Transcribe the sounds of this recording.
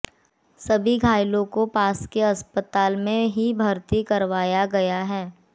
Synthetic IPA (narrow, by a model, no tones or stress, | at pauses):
sɐbʱiɡʱaːjlõkopaːskeɐspət̪aːlmẽɦibʱɐɾt̪ikɐɾʋaːjaɡɐjaɦɛː